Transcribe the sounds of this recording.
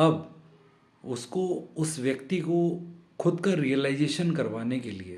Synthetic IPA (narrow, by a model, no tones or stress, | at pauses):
ɐb | ʊskoʊsʋjɐkt̪ikokʰʊd̪kaɾijəlaɪzeːʃənkɐɾʋaːnekelie